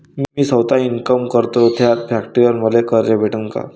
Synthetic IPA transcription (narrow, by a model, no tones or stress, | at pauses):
mimiːsəwt̪ainkəmkəɾt̪ot̪ʰjat̪pʰjakʈɾiəɾməlekəɾɾebʱeʈəŋka̰